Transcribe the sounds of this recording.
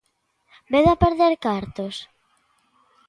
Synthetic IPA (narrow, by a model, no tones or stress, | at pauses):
beðapeɾðeɾkaɾt̪os